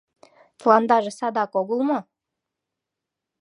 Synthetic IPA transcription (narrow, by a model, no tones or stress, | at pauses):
plˠɑnd̪ɑʒɤ̆sɑd̪ɑkoɡə̆lˠmo